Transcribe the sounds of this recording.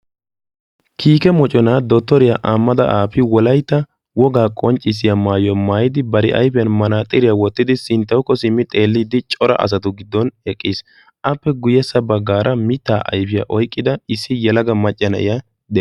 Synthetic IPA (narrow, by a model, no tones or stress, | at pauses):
kʰiːkɛmɔt͡ʃʼɔnad̪ɔt̪ːɔɾɪjaʔaːmːɐd̪ɐʔaːfɪwɔlɐjt̪ːɐ | wɔɡaːkʼɔnt͡ʃʼːɪs̬ɪjamaːjɔmaːjɪd̪ɪbɐɾɪʔɐ̰jfɪjɐnmɐnaːt̪ʼɪɾɪjawɔt̪ːɪd̪ɪsɪnt̪ːɐwkːɔsɪmːɪt̪ʼe̞ːlːɪd̪ɪt͡ʃʼɔɾɐ̰ʔɐ̰s̬ɐt̪ʊɡɪd̪ːɔnɛkʼːiːs | ʔɐpːɛɡʊjɛsɐbɐɡːaːɾʔɐmɪt̪ːaːʔɐ̰jfɪja̰ʔɔjkʼːɪd̪ɐɪsːɪjɛlɐɡɐmɐt͡ʃʼːɐnɐ̰ʔɪja | d̪ɛ